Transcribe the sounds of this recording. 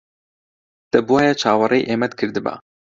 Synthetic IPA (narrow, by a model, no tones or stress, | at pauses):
t̪ɛbuwaːjɛt͡ʃʰaːwɑrejʔeːmɛt̪kʰɨɾd̪ɨba̰